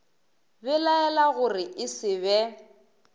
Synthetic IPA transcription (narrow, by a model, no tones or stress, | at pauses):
bɛlaɛlaɣʊrɪʔɪsɪβɛ